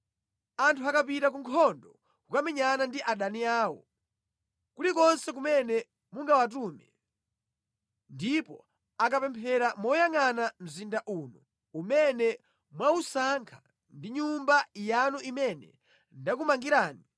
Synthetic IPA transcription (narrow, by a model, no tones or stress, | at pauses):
antʰuakapitak̬uŋkʰɔndɔ | kukamɛɲanandiʔaɗaniaːwɔ | kulikɔnsɛk̬umɛnɛ | muŋɡawat̬uːmɛ | ndipɔ | akapɛmpʰɛɾamɔjaŋanam̩zindaʔuːnɔ | umɛnɛ | mwausaŋkʰḁ | ndiɲumbajanuʔimɛnɛ̰ | ndak̬umaŋɡiɾaːni